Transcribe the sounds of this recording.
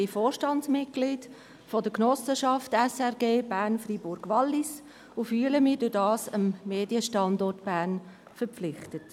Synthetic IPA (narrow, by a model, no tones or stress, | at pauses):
ifoːɾʃtɑnsmɪt̚ɡ̥lid̥ | fɔdəknɔsəʃɑftɛsɛʁɡeːb̥æːɾnfribʊɾɡ̥ʋɑlːis | ʊfyːləmɪːdʊdɑːsəmːeːd̥iəʃtɑndɔtb̥æːn | fəɾflɪχtət